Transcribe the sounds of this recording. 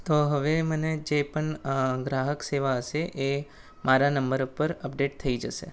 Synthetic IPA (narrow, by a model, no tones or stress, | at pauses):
t̪oɦəʋeməned͡ʒepəɳɡɾaɦəkseʋaəʃeʔe | maɾanəmbəɾupəɾəpɖeʈ̚t̪ʰəid͡ʒəʃḛ